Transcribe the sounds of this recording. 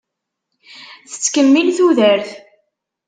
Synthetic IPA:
θə̥t͡sːkəmːilθuðəɾθ

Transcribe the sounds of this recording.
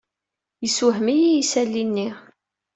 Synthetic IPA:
jəsuɦmijijisælːinːi

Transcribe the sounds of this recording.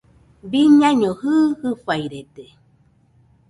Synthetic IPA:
biɲãɲohɯːhɨfajɾet̪e

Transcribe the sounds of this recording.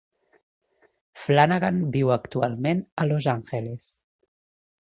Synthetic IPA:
flanaɣanbiwəkt̪ualˠmenəlozaŋxeles

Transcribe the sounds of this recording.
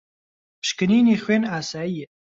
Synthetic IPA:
pɨ̥ʃkɨniːneːxʷweːnaːsaːijɛ

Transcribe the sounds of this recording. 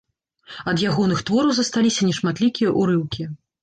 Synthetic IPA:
ɐd̪jaɣɔnɨxt̪vɔɾɐwzɐst̪alʲisʲɐnʲɛʂmat̪lʲikʲijɐʔuɾɨwkʲi

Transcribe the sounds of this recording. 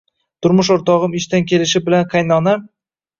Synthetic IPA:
t̪ʰʊɾmʊʃoɾt̪ɒʁɨmɪʃt̪ankʲʰe̞lɪʃɪbɪlanqʰɑjnɒnam

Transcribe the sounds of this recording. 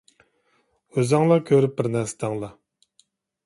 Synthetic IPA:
øzɑŋlˠɑkʲʰøɾyp̚bɪɾnɛɾsɪ̥d̪ʰɑŋlˠɑ

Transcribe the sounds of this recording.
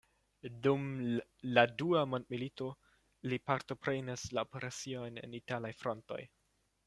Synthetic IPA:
dumladuamo̞ndmilito̞ | lipaɾto̞pɾenaslaopeɾasio̞jne̞̰nitalajfɾo̞nto̞̰j

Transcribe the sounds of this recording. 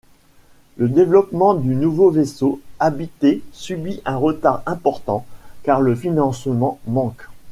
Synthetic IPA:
ləd̪evlɔpmɑ̃d̪ynuvovesoabit̪esybiʔɛ̃ʁət̪aʁɛ̃pɔʁt̪ɑ̃kaʁləfinɑ̃smɑ̃mɑ̃k

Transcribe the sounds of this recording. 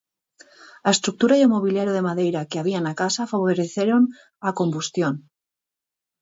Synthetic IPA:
aest̪ɾuk̚t̪uɾajomoβ̞ileɾjoð̞e̞mað̞ejɾakeaβianakasafaβoɾeθjeɾon | ako̞mbust̪jon

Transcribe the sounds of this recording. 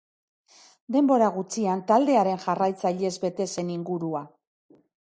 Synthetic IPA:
d̪e̞mbo̞ɾaɣ̞ut͡siant̪ald̪e̞aɾe̞nʝarajt͡saʎe̞zbe̞t̪e̞se̞niŋɡuɾua

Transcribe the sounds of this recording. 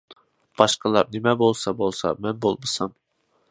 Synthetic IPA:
b̥ɑʃqɑlˠɑɾnemɛbolˠsɑbolˠsɑ̰mɛnbolˠmɨsɑm

